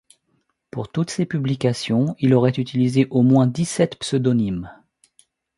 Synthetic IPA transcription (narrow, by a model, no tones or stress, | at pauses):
puʁt̪ut̪sepyblikʲasjɔ̃ilɔʁɛt̪yt̪ilizeʔomwɛ̃d̪isɛt̪psød̪ɔnim